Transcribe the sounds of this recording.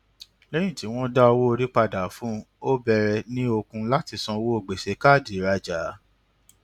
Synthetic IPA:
lɛ˦j̃ĩ˦˨ti˨˦w̃ɔ̃˦da˦ɔ˧wo˦o˧ɾi˦k͡pa˧da˨˦fũ˨˦ | o˦bɛ˧ɾɛ˧nĩ˦o˧kũ˧la˦ti˧sɔ̃˧wo˦o˨ɡ͡be˨ʃe˨˦ka˦˨di˨˦ɾa˧d͡ʒa˨˦

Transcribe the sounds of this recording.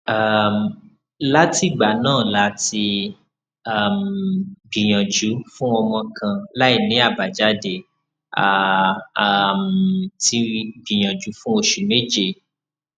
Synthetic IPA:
a˦˨m˨ | la˦ti˦˨ɡ͡ba˨˦nãː˦˨la˨˦ti˧ | a˨mɡ͡bĩ˨j̃ã˨d͡ʒu˨˦fũ˦ɔ˧mɔ̃˧kʰã˧la˦i˦˨nĩ˨˦a˦˨ba˨d͡ʒa˨˦de˨ | a˨ | mti˨˦ɡ͡bĩ˨j̃ã˨d͡ʒu˨˦fũ˦o˧ʃu˨me˦d͡ʒe˦˧˨

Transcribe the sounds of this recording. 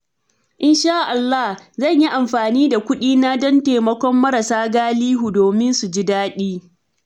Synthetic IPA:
ʔɪ˦nʃaː˦ʔa˨lːa˦hzɐ˦˨ɲji˦ʔa˨mɸaː˨niː˦da˨kʷʊ˦ɗiː˦na˦dɐ˦nteː˨mɐ˦kʷɔ˦mːɐ˦ɾa˨saː˦ɡaː˦liː˦ɦu˨doː˨mɪ˦nsu˨d͡ʒi˦daː˦ɗiː˦

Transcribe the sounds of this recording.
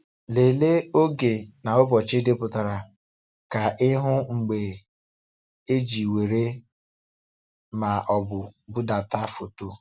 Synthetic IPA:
le˨le˦o˦ɡe˨na˨o˦bɔ˨t͡ʃe˦de˦pʊ˨ta˨ɾa˨ | ka˨ʔɪ˦ɦʊ˦ŋ͡m̩˨ɡ͡be˨ | e˦d͡ʒi˨we˨ɾe˦ | ma˨ʔɔ˨bʊ˨bʊ˦da˨ta˦fo˨to˦

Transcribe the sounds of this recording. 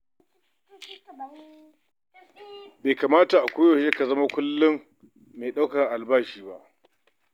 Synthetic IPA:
beː˨kaː˨maː˦ta˨ʔa˨kʷoː˦jo˨ʃe˦ka˨zɐ˦ma˦kʷʊ˦lːɪ˦mː | eː˨ɗa˦wkɐ˨rʔa˨lbaː˦ʃiː˦˨ba˦ʔ

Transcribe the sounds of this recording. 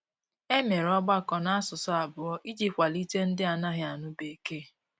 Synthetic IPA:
e˦me˨ɾɔ˦ɡ͡ba˦kɔ˨na˦a˦sʊ˨sʊ˦a˨bʊ˨ɔ˦ʔi˦d͡ʒi˦pkʷa˨li˦te˦n̩˦dɪ˦a˨na˦ɦɪ˦a˨nʊ˦be˨˦ke˦

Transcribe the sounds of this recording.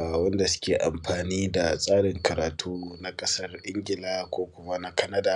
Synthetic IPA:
a˨wɐ˦nda˨sʊ̥˦kʲeː˨ʔa̰˨mɸaː˨niː˦da˨sʼaː˦ɽɪ˨ŋkʰɐ˨ɾaː˨tʰuː˦na˦kʼɐ˦sɐ˦rʔɪ˦ŋɡʲɪ˨laː˦kʷoː˦kʷʊ˨ma˦na˦kɐ˦nɐ˦da˨

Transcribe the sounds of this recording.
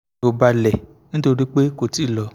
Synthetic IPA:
o˨ba˧lɛ˨ | nĩ˦to˧ɾi˦k͡pe˦ko˨ti˦˨lɔ˨˧

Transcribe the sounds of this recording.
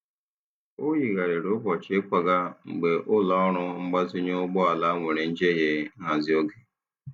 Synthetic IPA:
o˦ɦi˨ɣa˨ɾe˨ɾʊ˦bɔ˨t͡ʃe˦kʷa˦ɡa˦ŋ͡m̩˨ɡ͡be˨ʔʊ˦lɔ˦ɔ˦ɾʊ˦ŋ͡m̩˦ɡ͡ba˦zi˦ɲo˦ʊ˦ɡ͡bɔ˦a˨la˦ŋʷe˨ɾe˨n̩˦d͡ʒe˦ɦe˦ŋa˨zi˦o˦ɡe˨

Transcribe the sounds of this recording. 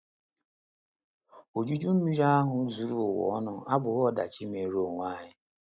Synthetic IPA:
o˨d͡ʒu˦d͡ʒu˦m̩˦mi˦ɾa˦a˦ɦʊ˨zu˨ɾu˦˨wɔ̰˨˦nɔ˦ʔa˦bʊ˨ɣɔ˦da̰˨t͡ʃi˦me˨ɾo˦˨ŋʷa˦ɦɪ˦

